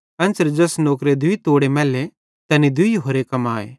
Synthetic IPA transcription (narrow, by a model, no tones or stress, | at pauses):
ɐ̃nsəɾd͡ʒɐsnoːkɾed̪ʊit̪oːɽemɛːle | t̪ɛːnid̪ʊiɦoːɾekɐmaːḛː